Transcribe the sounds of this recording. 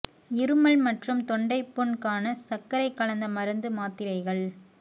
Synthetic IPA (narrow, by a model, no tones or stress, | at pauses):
ɪɾɯmɐɭmɐʈrɯmt̪ɔɳɖɐɪpːɔɳkaːnɐsɐkːɐɾɐɪkːɐɭɐnd̪ɐmɐɾɯnd̪ɯmaːt̪ːɪɾɐɪɣɐɭ